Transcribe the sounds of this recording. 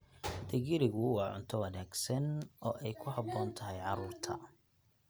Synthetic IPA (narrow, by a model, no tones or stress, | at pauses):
t̪ʰɐɣɪɾɪɣʊwɑːʕʊ̰nt̪ʰɔwɐnaːɡsɐnɔːʔɛjkʰʊɦɑbɔːnt̪ʰɐɦɛjʕɑɾuːrt̪ʰɐ